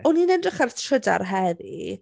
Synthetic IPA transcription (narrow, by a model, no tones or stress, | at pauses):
ɔninɛndrɪχartʰr̥əda̰rɦɛðḭ